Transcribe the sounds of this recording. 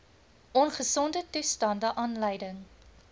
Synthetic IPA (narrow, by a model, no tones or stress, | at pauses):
ʔɔnχəsɔndətustɑndəʔɑːnləjdəŋ